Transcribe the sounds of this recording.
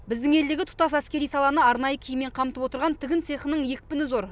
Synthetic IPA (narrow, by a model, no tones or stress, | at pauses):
bɪzd̪ɪŋe̞ld̪eɡʲɪt̪ʰʊ̥t̪ɑsæskʲe̞ɾijsɑlˠɑnəɑɾnɑjəkʲʰijɪmːe̞ɴqʰɑmt̪əpwot̪əɾʁɑnt̪ʰɪɡʲɪnt̪se̞χənəɴje̞kʲpɪnɪzo̞ɾ